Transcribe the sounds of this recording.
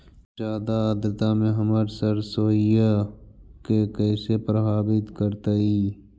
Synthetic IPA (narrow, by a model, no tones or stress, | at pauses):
d͡ʒjaːd̪ad̪ɾɪt̪amẽɦəməɾsəɾsoːija | kekɛːsepɾəbʱaːbɪt̪kəɾt̪aiː